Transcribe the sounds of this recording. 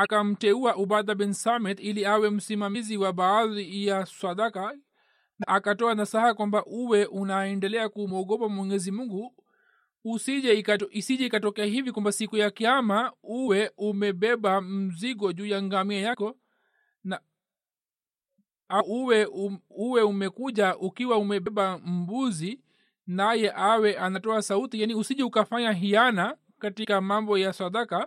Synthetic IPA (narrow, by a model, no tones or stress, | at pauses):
akam̩tɛuaʔuɓaðaɓɛnsamɛt̪iliawɛm̩simamiziwaɓaaðijaswaɗaka | naʔakatɔanasahakwambaʔuwɛʔunaɛndɛlɛakumɔɠɔpamwɔɲɛzimuŋɡuː | siʄɛiaisiʄɛikatɔkɛahivikwambasikujakiamauwɛumɛɓɛɓam̩ziɡɔʄuːjaŋɡamiajakɔ | na | auwɛuwɛumɛkuʄaʔukiwaumɛɓɛɓam̩buzi | najɛʔawɛʔanatɔasautijaniusiʄɛukafaɲaɦiana | katikamambɔjasadaka